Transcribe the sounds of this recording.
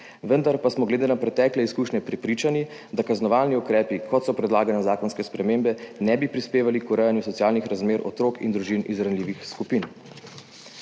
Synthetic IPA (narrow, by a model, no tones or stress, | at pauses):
ʋənd̪aɾpasmɔɡled̪eːnapɾɛt̪ɛːklɛiskuːʃnɲɛpɾɛpɾiːt͡ʃani | d̪akaznɔʋaːlniɔkɾɛːpikʰɔt̪sɔpɾɛd̪laːɡanɛzaːkɔnskɛspɾɛmembɛnɛbipɾispeːʋalikuɾɛjanjusɔt̪sijaːlnixɾazmeːɾɔt̪ɾoːkḭnd̪ɾuʒinʔizɾanliːʋixskupin